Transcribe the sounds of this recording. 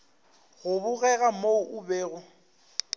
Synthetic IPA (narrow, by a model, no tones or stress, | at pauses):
ɣʊbʊɣɛɣamoʊʔʊbeːɣʊ